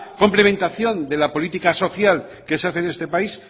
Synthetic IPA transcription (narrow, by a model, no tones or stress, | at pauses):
ko̞mple̞mẽ̞nt̪aθjo̞nd̪e̞lapo̞lit̪ikaso̞θjal | ke̞seaθene̞st̪e̞pais